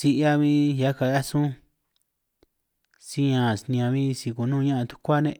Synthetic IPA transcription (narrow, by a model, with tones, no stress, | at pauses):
si˧ʔa˦βĩ˦ja˦ka˨ja˦sũ˦ | si˦ɲã˨snĩ˧ã˧βĩ˦si˧ku˨nũː˦˧ɲã˦ã˧t̪u̥˦kʷa˦nẽ˧ʔ